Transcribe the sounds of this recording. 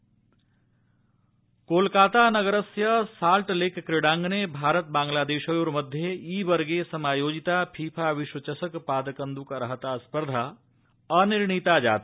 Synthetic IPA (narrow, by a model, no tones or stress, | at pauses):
koːlkaːt̪anɐɡəɾəsjɐsaːlʈlekʰːɾɪɽãːŋɡnebʱaːɾət̪̚bãːŋɡlaːd̪eːʃojoːɾmɐd̪ʱjeiːbɐɾɡesɐmaːjoːd͡ʒit̪apʰiːpʰaʋɪʃwət͡ʃɐsəkpaːd̪əkə̃nd̪ukɾɐɦət̪aspəɾd̪ʱaː | ɐniɾɳit̪ad͡ʒa̰ːt̪a